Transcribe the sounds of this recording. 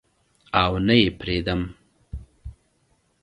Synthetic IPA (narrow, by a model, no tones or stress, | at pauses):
awnajepɾed̪əm